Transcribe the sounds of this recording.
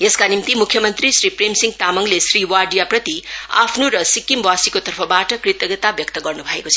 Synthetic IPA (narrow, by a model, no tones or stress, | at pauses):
eskanimt̪imukʰjʌmʌnt̪risripremsiŋɡt̪amʌŋlesriwaɖijaprʌt̪ia̰pʰnuɾʌsikːimbwasikot̪ʌrpʰʌbaʈʌkrit̪ʌɡʌt̪abjʌk̚t̪ʌɡʌrnubʱʌekot͡sʰʌ